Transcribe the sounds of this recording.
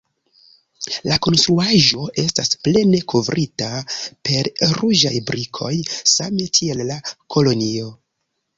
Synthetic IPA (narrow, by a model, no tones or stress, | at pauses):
lako̞nstɾuaʒo̞ʔe̞stasple̞ne̞kʰo̞vɾʔitape̞ɾɾuʒajbɾikʰo̞jsame̞kʰie̞lːakʰo̞lo̞nio̞